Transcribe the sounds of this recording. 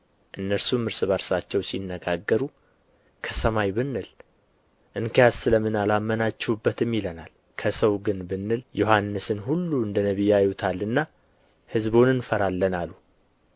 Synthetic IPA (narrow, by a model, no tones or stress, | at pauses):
ʔɨnːəɾsumɨɾsɨβəɾsat͡ʃːɛwsinːəɡaɡːəɾu | kʰəsəmajbɨnːɨl | ʔɨŋkʰijazsɨləmɨnalamːənat͡ʃːɛwubːət̪ɨmːilənal | kʰəsəwɡɨnbɨnːɨljohanːɨsɨnɦulːuɨnd̪ənəβijajut̪ʰalːɨnːa | hɨzbonɨnfəɾalːənalu